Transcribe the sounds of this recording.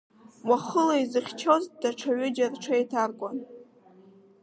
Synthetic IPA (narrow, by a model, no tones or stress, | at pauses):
waχəlaizɨχʲt͡ʃʰozd̥aʈ͡ʂʰaɥʏd͡ʒarʈ͡ʂʰaetʰarkʷʼan